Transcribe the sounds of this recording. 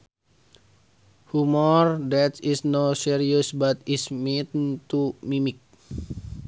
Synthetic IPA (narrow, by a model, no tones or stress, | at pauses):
humɔrdɛt̪isnosiɾiəsbat̪ismit̪nt̪umimik̚